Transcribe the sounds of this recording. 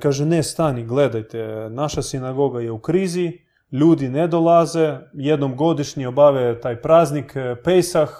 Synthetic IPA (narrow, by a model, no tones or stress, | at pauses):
kaːʒɛnest̪aniɡled̪ajt̪enaʃasinaɡo̞ɡajeukɾiːzi | ʎuːd̪ined̪olˠazejed̪nomɡo̞d̪iʃɲiobaʋet̪aːjpɾaːznikpejsax